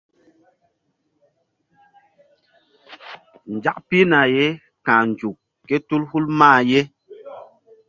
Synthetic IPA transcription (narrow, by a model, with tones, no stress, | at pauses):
n̩˨d͡ʒa˦kpi˦na˨je˦ | kã˨n̩˨d͡ʒu˨k | kːɛ˦tu˦lhu˦lmaː˦˨je˦